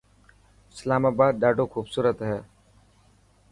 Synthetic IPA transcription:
ɪslaːmaːbaːd̪̚ɗaːɖoːkʰuːbsuːɾət̪ɦɛː

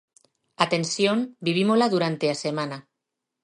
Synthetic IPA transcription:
at̪ensiombiβ̞imolaðuɾant̪easemana

